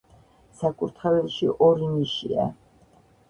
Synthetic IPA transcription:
sakʼuɾt̪ʰχavɛlˠʃiʔɔɾiniʃḭa̰

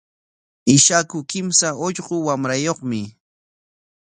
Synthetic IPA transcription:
ɪʃakʊkɪmsaoʎɢʊwamɾajoχmɪ

